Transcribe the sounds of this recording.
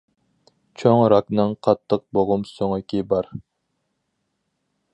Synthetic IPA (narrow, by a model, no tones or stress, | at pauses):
t͡ʃʰoŋɾɑknɨŋqʰɑt̪ʰːəq̚boʁʊmsoŋɨkʲʰibɑɾ